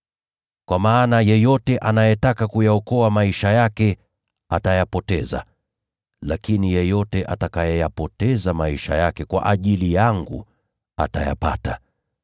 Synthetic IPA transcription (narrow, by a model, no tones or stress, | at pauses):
kwamaːnajɛjɔtɛʔanajɛtakakujaɔkɔamaiʃajakɛ | atajapɔtɛza̰ | lakinijɛjɔtɛʔatakajɔjapɔtɛzamaiʃa̰jakɛkwa̰ʔaʄilijaŋɡṵ | a̰ta̰ja̰pa̰ta